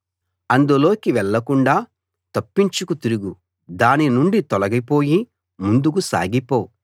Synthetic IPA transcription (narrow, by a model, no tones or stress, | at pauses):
ɐnd̪ulo̞ːkiʋɛɭːɐkuɳɖaː | t̪ɐpːiɲt͡ʃukut̪iɾuɡu | d̪aːninuɳɖit̪ɔlɐɡipo̞ːji | mund̪uk̬usa̰ːɡipo̞ː